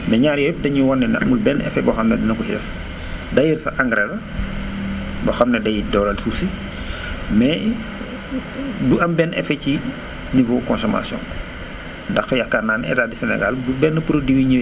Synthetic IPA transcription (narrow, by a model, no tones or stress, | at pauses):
mɛɲaːɾjɔjp̚dɐɲuwɔnːɛn̰ɐ̰mulbɛnɛ̰fɛbɔxɐmnɛdinɐkuʃdɛ̰f | dɐjirsɐ̰ʔaŋɡɾɛlɐ | bɐxɐmnɛdɐjidɔɾɐlsusi | mɛ | duʔɐmbɛnɛ̰fɛci | nivɔkɔnsɔma̰sjɔ̰̃n | ndɐxfɛjakːanaːnɛ̰taːdisɛnɛ̰ɡa̰ldubɛnːəpuɾodiwiɲə